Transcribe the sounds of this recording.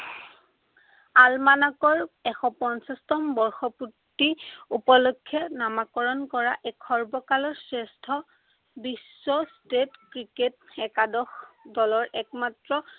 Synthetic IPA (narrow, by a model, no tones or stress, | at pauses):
almanakɔɹɛxɔpɔnsastɔmbɔɹxɔputːiupɔlokʰːɛnamakɔɹɔnkɔɹaʔɛkʰːɔɹbɔkalɔɹsestʰɔ | bisːɔstetkɹiketɛkadɔxdɔlɔɹʔɛk̚matɹɔ